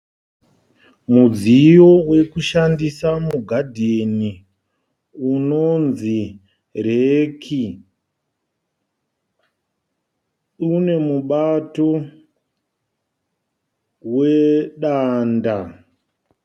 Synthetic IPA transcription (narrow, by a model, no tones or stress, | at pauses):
mud͡zijo̞we̞kuʃandisamuɡʱadʱieni | unonzi | ɾekʰi | une̞muɓato̞ | weɗanda